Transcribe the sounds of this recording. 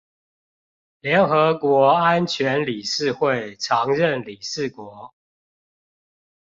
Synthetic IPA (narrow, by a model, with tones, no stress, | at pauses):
ljɛ˨˦nxɤ˨˧˦kwɔ˧˦˥a˦nt͡ɕʰɥɛ˨˦nli˨˩ʂɻ̩˥˧xwe˥˨ɪʈ͡ʂʰɑ˧˦ŋɻə˥˨nli˨˩ʂɻ̩˥˨kwɔ˨˧˥